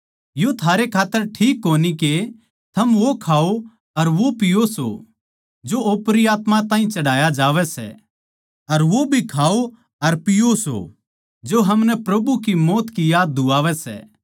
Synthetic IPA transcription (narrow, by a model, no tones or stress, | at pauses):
jot̪ʰaːɾekʰaːt̪ːəɾʈʰiːkːoːnike | t̪ʰɐmʋokʰaːo | ɐɾʋopɪjoso̰ | d͡ʒooːpɾiaːt̪mãt̪ãːɦĩt͡ʃɐɽ̤aːjad͡ʒaːʋɛsɛ̰ | ɐɾʋobʱikʰaːo | ɐɾpɪjoso̰ | d͡ʒoɦɐmnɛpɾɐbukimɔːt̪kijaːd̪̚ːʊaːʋɛsɛ̰ː